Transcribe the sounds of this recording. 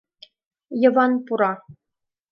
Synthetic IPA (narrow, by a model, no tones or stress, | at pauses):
jɤ̆vɑnpuɾɑ